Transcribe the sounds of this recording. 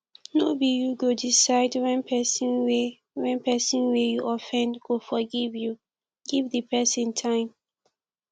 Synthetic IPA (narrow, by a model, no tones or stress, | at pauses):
nobijuɡodisaɪdwɛ̃npʰɛsĩnwe | wɛ̃npɛsĩnwejuʔɔfɛ̃ndɡofɔɡivju | ɡivðəpɛsĩntʰãɪ̃m